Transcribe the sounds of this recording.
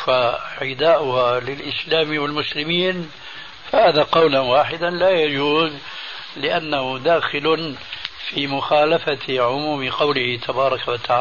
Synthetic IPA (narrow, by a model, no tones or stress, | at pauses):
aʕɪd̪aːʔʊhalɪlʔɪslaːmwɪlmʊslɪmiːn | fahaːðaqɑwlanwaːħɪd̪anlaːjad͡ʒuːz | lɪʔanːahʊd̪aːxɪl | fiːmʊxaːlafaʕʊmuːmɪqɑwlɪhɪt̪ʰabɑːɾˤɑkawat̪aʕaː